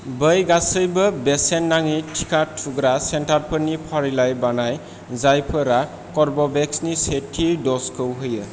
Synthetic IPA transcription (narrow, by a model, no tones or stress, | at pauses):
bəjɡasɯjbɯbesenːaŋitʰi̥kʰatʰːuɡɾasentaɾpʰɯnipʰaɾilajbanaj | zajpʰɯɾa | kɔɾbɔbɛksnisetʰːidɔskʰɯwɦɯjɯ